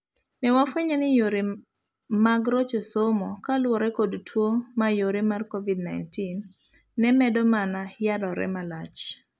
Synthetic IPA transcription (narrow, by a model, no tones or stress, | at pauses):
nɛwafweɲanɪjoɾe | maɡɾot͡ʃosomɔkalwɔɾɛkodtʰwomajoɾemarkovidnajntinː | ɛmɛdɔmanajadɔɾɛ̰malat͡ʃ